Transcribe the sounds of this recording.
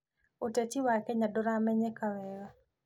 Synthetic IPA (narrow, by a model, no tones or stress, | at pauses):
otet͡ʃiwaɾkɛɲadɔɾamɛɲɛkawɛwa